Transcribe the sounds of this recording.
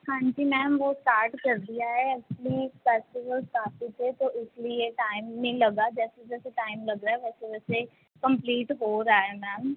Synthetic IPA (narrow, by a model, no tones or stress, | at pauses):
hãːɲd͡ʒiːmɛːmʋosʈaːɾʈkɐɾd̪ijaɦɛɛk̚t͡ʃəlifɛːsʈɪʋəlskaːfit̪ʰet̪oʔɪslieʈaːɪmːẽlɐɡad͡ʒɛːsed͡ʒɛːseʈaːɪmlɐɡɾaːɛʋɛːseʋɛːse | kə̃mpliːʈɦoːɾaːɦɛmɛːm